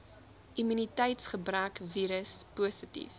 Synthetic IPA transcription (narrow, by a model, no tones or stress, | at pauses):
imynitɛjtsχəbrœːkviːɾəspuəsətḭf